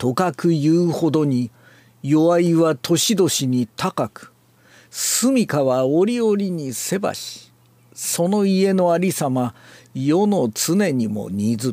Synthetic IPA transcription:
t̪o̞kakɯ̟jɯːho̞d̪o̞ɲ̟i | jo̞βaiβat̪ʰo̞ɕid̪o̞ɕiɲ̟it̪akakɯ̟̥ | sɨmʲikaβaoɾʲio̞ɾʲiɲ̟ise̞ba̰ɕi̥ | so̞no̞ie̞no̞aɾʲisamajono̞t͡sɨne̞ɲ̟imo̞̰ɲ̟id͡zɨ

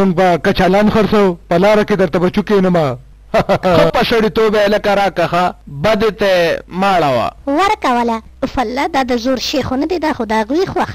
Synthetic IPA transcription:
mʊŋɡ̚bakat͡ʃalɑːnxɐɾsɐwpɐlɑːɾaked̪ɐɾt̪abɐt͡ʃukenɐma | xəpɐʃɐɽit̪oːbelɐkaɾaːkaxabɐd̪et̪emaːɽawa̰wəɾkawəla | ʊfalːad̪ɑd̪əzoɾʃexonad̪ed̪axod̪aaɣwixwax

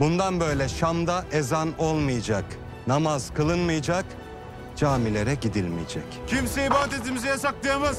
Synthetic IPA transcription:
bund̪anbø̞jlʲɛʃamd̪aʔezano̞lˠmɯjad͡ʒak | namaz̥kʰɯlˠɯnmɯjad͡ʒak | d͡ʒaːmilʲe̞ɾɛɟid̪ilʲmḭjd͡ʒɛ̰ccʰimsɛibaːt̪et̪imizɛjasaklˠajamaz

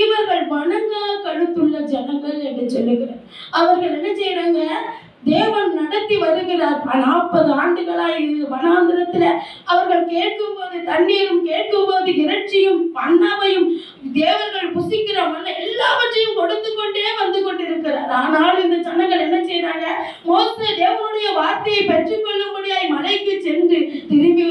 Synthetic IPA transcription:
ɪʋɐɾɣɐɭbɐɳɐŋɡɐkɐɽɯt̪ːɯɭːɐd͡ʒɛnɐŋɡɐɭɛnɯsɔlːɯɣɪrɐ | ɐʋɐɾɣɐɭɛnːɐsɛjɾaːŋɡɐ | d̪eːʋɐnnɐɽɐt̪ːiʋɐɾɯɣɪrɐpɐnaːpːɐðɯaːɳɖɯɣɐɭaːɪɾɯɯʋɐnaːnd̪ɯɾɐt̪ːɪlɐ | ɐʋɐɾɣɐɭkeːʈ̚kɯmpoːðɯt̪ɐɳːɪjɐɾɯmkeːʈ̚kɯmpoːðɯɪɾɐʈ̚t͡ʃːɪjɯmpɐɳːɐʋɐjɯm | d̪eːʋɐnɣɐɭpʊsɪkːɪɾɐmɐlːɐɛlːaːʋɐʈːɐjɯmkɔɽɯt̪ːɯkːɔɳɖeːʋɐnd̪ɯkːɔɳɖɪɾɯkːɪɾɐɾaːnaːlɪnd̪ɐt͡ʃɐnːɐŋɡɐɭɛnːɐt͡ʃːɛjɾaːŋɐ | moːseːd̪eːʋɐnɯɽɐjɐʋaːɾt̪ɐjɐɪpɛd͡ʒrɯkːɔɭːɯmbɐɽɪjaːjmɐlɐɪkːɯt͡ʃɛndrɯt̪ɪɾɯŋɡɯ

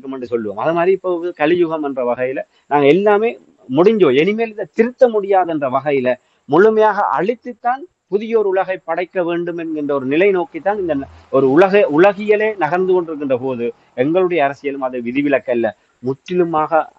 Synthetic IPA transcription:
kːɯmɛndrɯsɔlːɯʋo̰ːmɐðɯmaːd̪ɾiːpːoːɯkɐɭɪjʊɣɐmɛndrɐʋɐɣɐjɪlɐ | naːŋɡɐɛlːaːmeː | mʊɽɪɲd͡ʒõːɛnɪmeːlɪðɐt̪ɪɾɯt̪ːɐmʊɽɪjaːðɛndrɐʋɐɣɐjɪlɐ | mʊɭɯmɐjaːɣɐ̰ʔɐ̰ɭɪt̪ːɯt̪ːaːn | pʊðɪjɐɔɾɯʊɭɐɣɐɪpːɐɽɐɪkːɐʋeːɳɖɯmɛnɡɪndrɐɔɾɯnɪlɐɪnoːkit̪ːaːnɪnd̪ɐ | ɔɾɯʊɭɐɣɐʊɭɐɣɪjɐɭeːnɐɣɐɾnd̪ɯkɔɳɖɪɾɯkːɪndrɐpoːðɯ | ɛŋɡɐɭɯɽɐjɐːɾɐsɪjɐlɯmɐðɯʋɪðɪʋɪlɐkːɐlːɐ | mʊʈːɪlɯmaːɣɐ

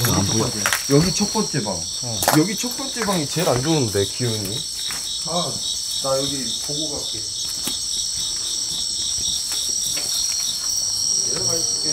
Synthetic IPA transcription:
jʌɡit͡ɕʰʌk̚p͈ʌnt͡ɕ͈e̞ba̰ŋ | jʌɡit͡ɕʰʌk̚p͈ʌnt͡ɕ͈e̞baŋit͡ɕe̞ɾand͡ʑounɯnde̞kioɲi | han | najʌɡi | poɡobak͈e

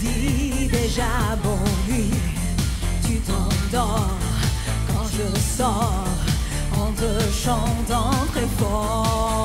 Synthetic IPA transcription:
d̪id̪eʒabɔ̃vy | t̪yt̪ɑ̃d̪ɔʁ | kɑ̃ʒəsɔ | ʁ | ɑ̃t̪χəʃɑ̃t̪ɑ̃t̪χɛfɔ

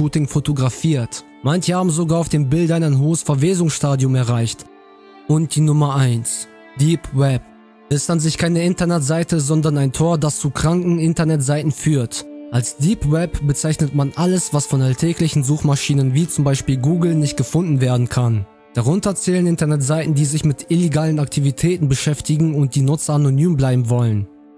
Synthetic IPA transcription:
ʃuːtɪŋfotoɡʁafiːɐt | mançəhaːbm̩zoɡaːɐaʊfd̥eːmbɪldaɪnaɪnɦoːəsfɛɐveːzʊŋsʃtaːdjʊmɛɐʁaɪçt | ʔʊnt̚d̥iːnʊmɐʔaɪns | d̥iːpwɛp̚ | ɛstanzɪçkʰaɪnəɪntɐnɛtz̥aɪtəzɔndɐnaɪntʰoːɐdast͡suːkʁ̥aŋkŋ̩ɪntɐnɛtz̥aɪtn̩fyːɐtʔalsd̥iːpwɛpbət͡saɪçnətmanʔaləsv̥asfɔnaltʰɛːklɪçn̩zuːxmaʃiːnənviːt͡sʊmbaɪʃpiːlɡuːɡl̩nɪçt̚ɡ̥əfʊndn̩veːɐdn̩kʰan | d̥aʁ̞ʊntɐt͡sɛːlənɪntɐnɛtz̥aɪtn̩diːzɪçmɪtʔɪleɡaːlənaktʰivitʰɛːtn̩bəʃɛftɪɡŋ̩ʊnt̚d̥iːnʊt͡sɐanonyːmblaɪbm̩vɔlən

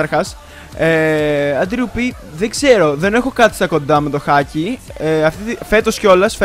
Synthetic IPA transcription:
ɐɾxɐs | eɐd̪ɾiupi | ðeɡz̥e̞ɾo̞ðe̞ne̞xo̞kɐt̪i̥st̪ɐko̞nd̪ɐme̞t̪o̞xɐcieɐft̪iife̞t̪o̞sceo̞lɐsf

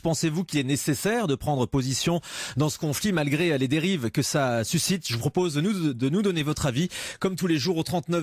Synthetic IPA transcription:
pɑ̃sevukʲilɛnesesɛʁd̪əpχɑ̃d̪ʁəpozisjɔ̃d̪ɑ̃sə̥kɔ̃flimalɡʁeled̪eʁivkəsasysit̪ʒəvupχɔpozd̪ənud̪ənud̪ɔnevɔt̪χavikɔmt̪uleʒuʁot̪χɑ̃t̪nə

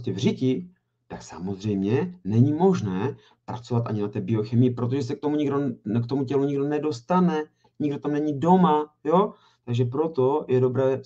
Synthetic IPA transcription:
cɛvrɪcɪ | t̪aksa̰mo̞zr̝ɛjmɲɛnɛɲimo̞ʒnɛː | pɾa̰t͡so̞vat̪ʔa̰ɲɪnat̪ɛːbɪo̞xɛmɪjɪpɾo̞t̪̬o̞ʒɛs̬ɛk̚t̪omuɲɪɡdokt̪o̞mucɛluɲɪɡdo̞nɛdo̞st̪anɛ | ɲɪɡdot̪amnɛɲido̞majo | t̪aɡʒɛpɾo̞t̪o̞jɛdo̞bɾɛː

